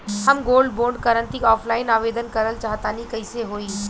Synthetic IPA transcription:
hɐmɡoːlɖboːɾɖkəɾə̃nt̪ikɔːpʰlaːɪnaːʋeːd̪ənkɐɾəlt͡ʃaːɦt̪aːnikɐɪseɦoːiː

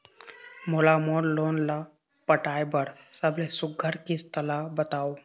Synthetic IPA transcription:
molamoɽlonla | pəʈajbəɽsəblesuɡʱːəɾkist̪əlabət̪aw

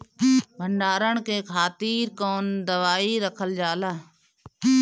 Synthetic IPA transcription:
bʱəɳɖaːɾəɳkekʰaːt̪iːɾkoːnd̪əʋaːiɾəkʰəld͡ʒaːlaː

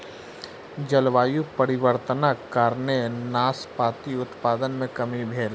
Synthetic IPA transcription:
d͡ʒəlʋaːjupəɾɪʋəɾt̪nakaːɾnenaːspaːt̪iʊt̪paːd̪ənmẽkɐmibʱeːl

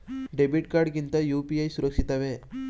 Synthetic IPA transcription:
ɖebiʈkaɾɖkint̪ajupiajsuɾəkʂit̪aʋe

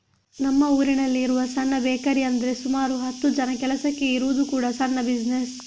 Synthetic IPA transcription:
nɐmːɐuːɾinɐlːiːɾuʋɐsɐnːɐbɛːkɐɾiɐnd̪ɐɾe̞sumaːɾuɦɐt̪ːud͡ʒɐnɐkɛlɐsɐkːe̞iɾuʋud̪ukuːɽɐsɐnːɐbid͡ʒnes

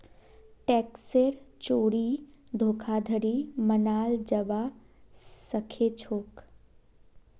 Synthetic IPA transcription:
ʈɛːkseɾt͡ʃoːɽid̪ʱoːkʰad̪ʱəɽiːmənaːld͡ʒəʋa | səkʰet͡ʃʰoːk

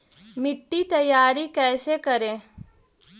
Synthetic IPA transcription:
mɪʈːit̪ɐjaːɾikɛːsekɐɾẽː

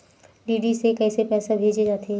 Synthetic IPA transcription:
ɖiːɖisekɛːsepɛːsabʱeːd͡ʒed͡ʒaːt̪eɛ

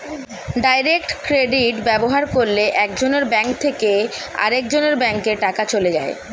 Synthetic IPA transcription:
ɖajɾekʈkɾeɖiʈbɛboɦaɾkoɾleʔɛk̚d͡ʑoneɾbɛŋk̚t̪ʰekea̰ɾek̚d͡ʑoneɾbɛŋkeɾʈakat͡ɕoled͡ʑa̰e

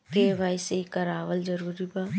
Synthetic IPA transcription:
keʋaːjseikɐɾaːʋəld͡ʒɐɾuːɾibaː

